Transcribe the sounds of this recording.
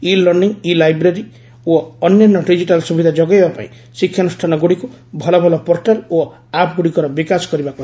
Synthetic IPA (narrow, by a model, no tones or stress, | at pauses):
ilɔɾɖiŋilajbɾeɾi | oɔnjɔnːɔɖid͡ʒiʈalsubʱid̪ʱad͡ʒɔɡajbapa̰ḭ̃ | sikʰːjanusʈʰanɔɡuɽiku | bʱɔlɔbʱɔlɔpɔɾʈalo | apɡuɽikɔɾɔbikasɔ̥kɔɾibaku